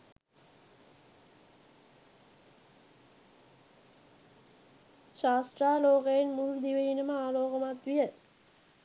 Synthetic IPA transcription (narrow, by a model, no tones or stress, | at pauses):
ʃaːsʈraːloːkəjenmuɾud̪iʋejinəməaːloːkəmat̪ʋijə